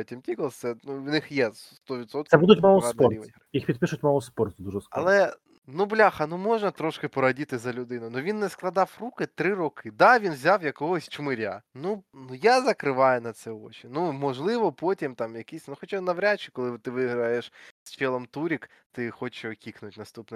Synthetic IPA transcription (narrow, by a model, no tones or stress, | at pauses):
tʲimtʲikɐlˠɛnunɪxjɛsst̪ɔʋʲit̪sɔt̪k̪sɛbud̪ʊtʲmalˠɔsɔrʲiʋɪ̰ɦɾɪjixpʲid̪̚pɪʃʊtʲmalˠɔspɔrt̪d̪uʒɛskɐ̰lˠɛ | nublʲaxɐnumɔʒnɐt̪ɾɔʃkɪpɔɾɐdʲit̪ɪzɐlʲʊd̪ɪnʊnʊʋʲinːɛsklˠɐd̪ɑwrukɪt̪ɾɪrɔkɪd̪ɑʋʲinʋzʲawjɐkɔɦɔsʲt͡ʃmɪɾʲa̰nunujazɐkɾɪʋɑjʊnɐt̪sɛɔt͡ʃʲinumɔʒlˠɪʋɔpotʲimt̪ɑmjɐkisʲnuxɔt͡ʃanɐʋɾʲat͡ʃɪkɔlˠɪt̪ɪʋɪɦɾɐjeʃsʲfʲɛlˠɔmt̪uɾʲik | t̪ɪxɔt͡ʃɛɔkʲiknʊtʲnɐst̪upnɛ